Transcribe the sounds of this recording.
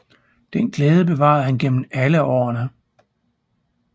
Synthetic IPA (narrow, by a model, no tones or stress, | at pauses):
d̥enɡ̥lɛːð̞ˠəb̥e̝ʋɑ̰̈ðˠhænɡ̥en̰m̩æləɒ̰ɐnə